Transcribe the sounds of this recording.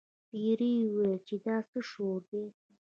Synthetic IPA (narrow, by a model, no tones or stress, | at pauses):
piɾiwət͡ʃed̪ɑːsəʂoɾd̪e